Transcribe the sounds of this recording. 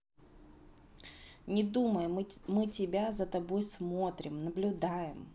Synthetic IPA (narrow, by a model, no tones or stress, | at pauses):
nʲɪd̪uməjmɨtʲɪbʲazət̪ɐbo̞jsmo̞t̪ɾʲɪmnəblʲʊd̪ajɪm